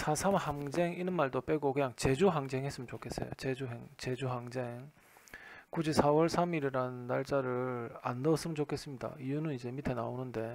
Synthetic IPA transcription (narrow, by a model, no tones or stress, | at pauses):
sʰasʰamhaŋd͡ʑe̞ŋinɯnmaɭdop͈e̞ɡokɯɲaŋt͡ɕe̞d͡ʑuɦaŋd͡ʑe̞ŋɦes͈ɯmɯnt͡ɕokʰe̞s͈ʌ̰jo̰t͡ɕed͡ʑuɦeŋt͡ɕe̞d͡ʑuɦaŋd͡ʑe̞ŋ | kud͡ʑisʰawʌɭsʰamiɾiɾanːaɭt͡ɕ͈aɾɯɾanːʌs͈ɯmɯnt͡ɕokʰe̞s͈ɯmɲida̰ijunɯnid͡ʑe̞mitʰena̰onɯnde̞